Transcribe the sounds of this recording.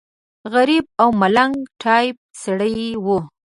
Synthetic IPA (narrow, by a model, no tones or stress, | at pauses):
ɣaɾib̚awmalaŋɡʈʰɑjp̚saɽəjwu